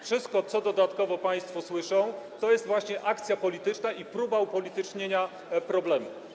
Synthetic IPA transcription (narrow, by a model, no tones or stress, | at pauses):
fʂɘst̪̚kɔt̪sɔd̪ɔd̪at̪kɔvɔpaj̃st̪fɔswɘʂɔ̃w̃t̪ɔjɛst̪vwaɕɲɛʔak̚t̪sʲjapɔlʲit̪ɘt͡ʂnaʔipɾubaupɔlʲit̪ɘt͡ʂɲeɲa | pɾɔblɛmṵ